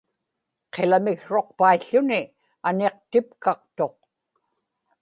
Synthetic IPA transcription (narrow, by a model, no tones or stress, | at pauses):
qʰelamɪɣʂo̞q̚paiɬːʊnɪ | ane̞q̚t̪ɪpkɑq̚t̪o̞q̚